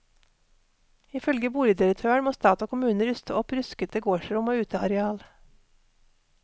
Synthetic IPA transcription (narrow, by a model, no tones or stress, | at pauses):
ɪfœlɡəbuːləd̪ɪɾək̚t̪ʰøːɳmoːst̪ɑːt̪oːkʰʊmʉːnəɾʏst̪əʔɔpɾʏskət̪d̪əɡoːʃəɾʊmoːʉːt̪ʰəɑ̰ɾɛɑːl